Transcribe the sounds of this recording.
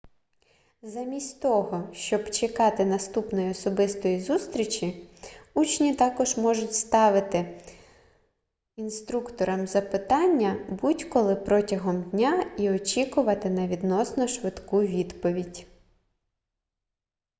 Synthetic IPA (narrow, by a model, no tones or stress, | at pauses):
zɐmʲisʲtʲt̪ɔɦɔʃt͡ʃɔbt͡ʃekɑt̪ɪnɐst̪upnɔjiɔsɔbɪst̪ɔjizust̪ɾʲit͡ʃʲiut͡ʃnʲit̪ɑkɔʒmɔʒʊtʲst̪ɑʋɪt̪ɪ | inst̪ɾukt̪ɔɾɐmzɐpɪt̪ɑnʲːɐbutʲkɔlˠɪpɾɔtʲɐɦɔmdʲnʲaiɔt͡ʃʲikʊʋɐt̪ɪnɐʋʲid̪nɔsnɔʃʋɪd̪kuʋʲid̪pɔʋʲidʲ